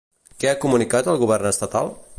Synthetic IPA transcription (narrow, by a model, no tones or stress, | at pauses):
kɛakumunikat̪əlˠɣuβ̞ɛrnəst̪ət̪alˠ